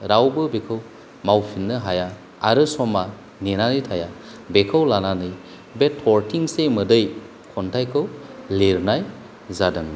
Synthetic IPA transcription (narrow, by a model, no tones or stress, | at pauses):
ɾawbɯbekʰɯw | mawpʰinːɯɦaja | aɾɯsɔma | nenanitʰaja | bekʰɯwlananɯj | betʰːɔɾtʰiŋsemɯdɯj | kʰɔntʰajkʰɯwleɾnaj | zadɯŋ